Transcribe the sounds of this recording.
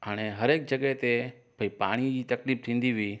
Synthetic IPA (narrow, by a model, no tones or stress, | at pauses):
aɽ̃eɦəɾeːk̚d͡ʒəɡəɦet̪e | bʱəipaːɽ̃id͡ʑiːt̪ɐkliːp̚t̪ʰĩːnd̪iʋi